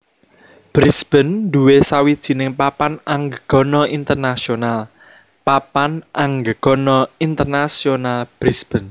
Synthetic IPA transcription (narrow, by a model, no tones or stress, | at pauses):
b̥ɾisb̥ə̤nd̪uwesawid̥ʒ̥i̤nɪŋpapanaŋɡəɡ̥ɔ̤nɔint̪ərnasional | papanʔaŋɡəɡ̥ɔ̤nɔint̪ərnasionalb̥ɾisb̥ən